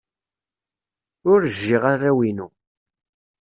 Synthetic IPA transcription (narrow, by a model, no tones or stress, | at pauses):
ʊɾʒːɪʁarːæwinu